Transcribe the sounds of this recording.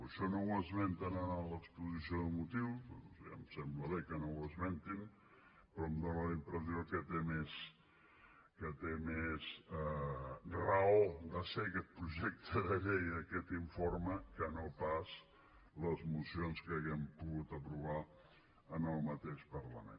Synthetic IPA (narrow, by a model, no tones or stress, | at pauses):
əʃɔnowəzment̪ənənələkspuzisioðəmut̪iwza̰msɛmbləβekənowəzmɛnt̪in | pɾɔmd̪onələimpɾəziokət̪emes | kət̪emez | rəod̪əsekɛt̪̚pɾuʒɛk̚t̪ʰəðəʎejəkɛt̪iɱforməkənopaz | ləzmusionskəːɣɛmpuɣut̪əpɾuβa | ənəlˠmət̪eʃpərləmḛn